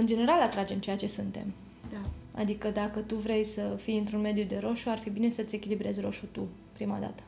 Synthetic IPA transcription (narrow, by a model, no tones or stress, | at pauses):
ɨnd͡ʒe̞ne̞ɾalat̪ɾad͡ʒe̞mt͡ʃejat͡ʃe̞sɨnt̪e̞̰m | a̰d̪ikəd̪akət̪uvɾe̞jsəfijɨnt̪ɾunme̞d̪jud̪e̞ɾo̞ʃuarfibine̞sət̪sʲe̞kʲilibɾe̞zʲro̞ʃut̪u | pɾima̰d̪a̰t̪ə̥